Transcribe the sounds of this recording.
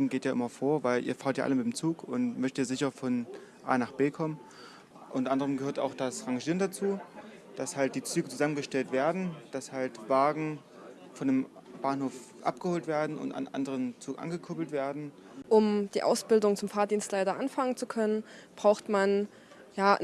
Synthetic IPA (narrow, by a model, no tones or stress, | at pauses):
ŋ̩ɡeːtjaːʔɪmɐfoːɐvaɪlʔḭːɐfaːɐtja̰ːʔa̰ləmɪtdemt͡suːkʊntmœçtiːɐzɪçɐfɔn | ʔa̰ːnaχb̥eːkʰɔmən | ʔʊntɐʔandəʁəmɡəhøːɐta̰ʊxd̥asʁaŋʒiːʁəndat͡suː | d̥ashalt̚d̥iːt͡syːɡət͡suzamənɡəʃtɛltv̥eːɐdn̩d̥ashaltv̥aːɡŋ̩ | fɔndem | b̥aːnhoːf | ʔa̰p̚ɡ̥əhoːltv̥eːɐdn̩ʊ̰nta̰nʔa̰ndəʁənt͡suːkʔa̰nɡəkʰoːbl̩tv̥eːɐdn̩ | ʔʊmd̥iːʔa̰ʊsb̥ɪldʊŋt͡sʊmfaːɐdiːnstlaɪtɐʔanfaŋənt͡sukʰœnənb̥ʁaʊxtman | jaː